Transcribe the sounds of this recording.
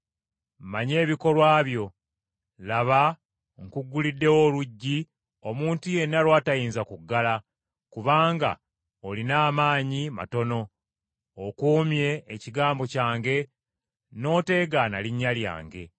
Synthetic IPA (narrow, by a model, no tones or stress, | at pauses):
mmaɲe̞ːβiko̞lwaːβjo̞ | laβa | ŋkuɡːulidːe̞woluɟːi | o̞muːntuje̞nːalwaːtajiːnzakuɡːala | kuβaːŋɡa̰ | olinaːmaːɲima̰to̞no̞ː | kuːmje̞ːciɡaːmbo̞caːŋɡe̞ | no̞ːte̞ːɡana̰liɲːalja̰ːŋɡe̞